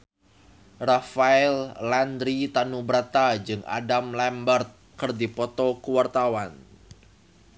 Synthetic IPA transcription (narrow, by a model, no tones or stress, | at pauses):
rafaɛlːand̪ɾit̪anubɾat̪ad͡ʒɨŋʔa̰damlambərt̪̚ | kərdipɔt̪ɔkuwart̪awan